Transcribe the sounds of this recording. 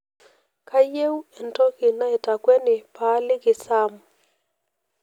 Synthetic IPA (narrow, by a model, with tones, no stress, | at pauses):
ka˦je˦wɛ˨ntɔ˦kɪ˨na˦ɛ˨ta˨kwɛ˦nɪ˨pa˨˦lɪ˦kɪ˨sa˦m˨